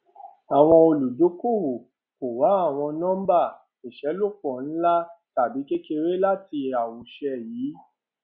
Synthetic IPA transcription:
a˨w̃ɔ̃˧o˧lu˨do˨˦ko˦˨hu˨ | ko˨wa˨˦a˦˨w̃ɔ̃˧nã˦m̩˦ba˦˨ | e˨ʃɛ˨˦lo˦˨k͡pɔ˨n̩˦la˦ta˨bi˨˦ke˦ke˧ɾe˦la˦ti˧˨a˨wo˨ʃɛ˧jiː˨˦

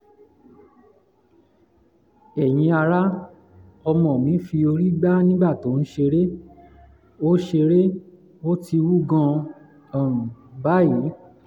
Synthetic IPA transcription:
ɛ˨j̃ĩ˧a˧ɾa˦ | ɔ˧mɔ̃˨mĩ˨˦fi˧o˧ɾi˦ɡ͡ba˦nĩ˦ɡ͡ba˦˨to˨˦n̩˦ʃe˧ɾe˦ | o˦ʃe˧ɾe˦ | o˦ti˧wu˦ɡã˧ | a˨ba˦ji˨˦

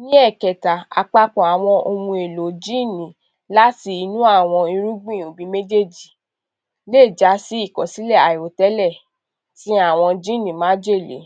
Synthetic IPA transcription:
nĩ˦ɛ˦˨kɛ˨ta˨a̰˨k͡pa˧k͡pɔ̃˨a˨w̃ɔ̃˧ʔo˧mũ˧e˨lo˨˦d͡ʒi˦˨nĩ˨ | la˦ti˧i˧nũ˦a˦˨w̃ɔ̃˧ĩ˧ɾũ˦ɡ͡bĩ˦˨o˨bi˨˦me˦d͡ʒe˦˨d͡ʒi˨ | leː˦˨d͡ʒa˨˦si˦i˦˨kɔ˨si˨˦lɛ˦˨a˨o˨tɛ˨˦lɛ˦˨ | tĩ˨˦a˦˨w̃ɔ̃˧d͡ʒi˦˨nĩ˨mãː˨˦d͡ʒe˦˨lḛ˨˦

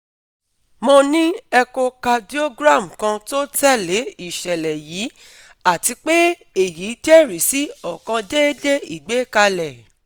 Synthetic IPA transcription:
mɔ̃˧nĩ˦ɛ˧ko˧ka˧di˦o˦ɡɾa˦˨m̩˨kã˧to˦tɛ˦le˨˦i˦˨ʃɛ˨lɛ˨jiː˨˦ | a˦˨ti˧k͡pe˦ | e˦˨ji˨˦d͡ʒɛ˦˨ɾi˨si˨˦ɔ˦˨kã˧de˦de˦i˦˨ɡ͡be˨˦ka˧lɛ˨

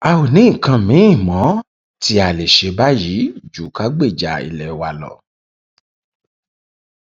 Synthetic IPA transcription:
a˧o˨nĩ˨˦˨kã˧mĩ˨˦ĩ˦˨mɔ̃˨˦ | ti˧˦a˨le˨ʃe˨˧˦ba˦ji˨˦d͡ʒu˨ka˨˦ɡ͡be˦˨d͡ʒa˨ḭ˧˨lɛ˨˦wa˧lɔ̰˨

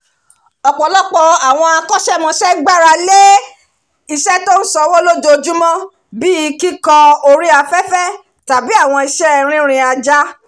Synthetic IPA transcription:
ɔ˨k͡pɔ˨lɔ˦k͡pɔ˧a˨w̃ɔ̃˧a˧kɔ˦ʃɛ˦˨mɔ̃˧ʃɛ˦ɡ͡ba˦˨ɾa˧le˦ | i˧ʃɛ˦to˦n̩˦sɔ˧wo˦lo˦do˧d͡ʒu˦mɔ̃˦ | bi˦i˧ki˦kã˧o˧ɾi˦a˧fɛ˦fɛ˦ | ta˨bi˨˦a˦˨w̃ɔ̃˧i˧ʃɛ˦˧˨ɾ̃ĩ˦ɾ̃ĩ˧a˧d͡ʒa˦

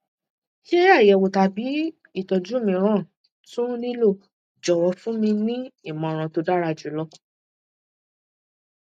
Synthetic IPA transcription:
ʃe˦a˦˨jɛ˨wo˨ta˨bi˨˦ | i˦˨tɔ˨d͡ʒu˨˦˨mĩ˧ɾ̃ã˦˨ | tũ˦nĩ˦lo˦˨ | d͡ʒɔ˨wɔ˧fũ˦mĩ˧nĩ˦i˦˨mɔ̃˨ɾ̃ã˨˧to˧da˦ɾa˧d͡ʒu˨˦lɔ˧˦

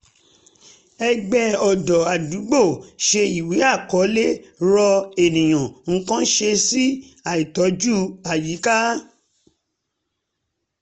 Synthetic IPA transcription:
ɛ˧ɡ͡bɛ˦ɔ˨dɔ˨a˨du˨˦ɡ͡bo˦˨ʃe˧i˨we˨˦a˦˨kɔ˨˦le˦ɾɔ˧e˨nĩ˨j̃ã˨ŋ̩˦kã˦ʃe˧si˦ | a˨i˨tɔ˨˦d͡ʒu˦a˨ji˨˦ka˦

